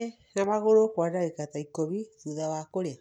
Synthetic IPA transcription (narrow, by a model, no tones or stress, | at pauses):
namaɣoɾokwadaɣekataikɔβiðuðawakoɾea